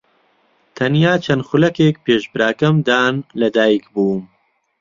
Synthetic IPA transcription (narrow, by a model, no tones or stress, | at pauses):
t̪ʰɐnjaːt͡ʃʰɐnxʊlɐkeːk̚peːʃbɾaːkɐmd̪aːnlɐd̪aːjikbuːm